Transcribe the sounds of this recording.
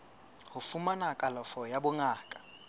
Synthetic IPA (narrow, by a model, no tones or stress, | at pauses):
hʊfumanakʼalɔfɔjabʊŋaːkʼḁ